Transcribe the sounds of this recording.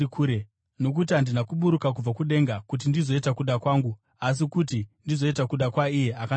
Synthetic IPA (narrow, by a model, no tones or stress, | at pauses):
kuɾe | no̞k̬utiɦandinakuɓuɾukak̬ub͡vakuɗe̞ŋɡakut̬indizo̞itakuɗakwaːŋɡu | as̬ikutindizo̞itakuɗakwaijeaka